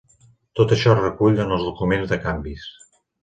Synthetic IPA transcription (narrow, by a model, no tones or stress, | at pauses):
t̪ot̪əʃɔrəkuʎənəlˠzðukumenzðəkambis